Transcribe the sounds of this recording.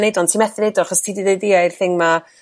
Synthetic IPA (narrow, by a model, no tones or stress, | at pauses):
nejdɔntʰiːmɛθɪnejdɔaχɔstʰiːdiðejdɪaɪr̥θɪŋma